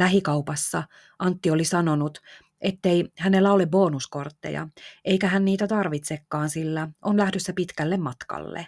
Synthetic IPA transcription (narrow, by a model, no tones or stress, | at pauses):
læɦikɑupɑsːɑ | ɑnt̪ːiolisɑno̞nut̪ | ʔet̪ːeihænelːæolebo̞ːnusko̞rt̪ːḛjɑ̰ejkæɦænniːt̪æt̪ɑrʋit̪sekːɑːnsilːæʔonlæhdøsːæpit̪kælːemmɑt̪kɑ̰lːḛ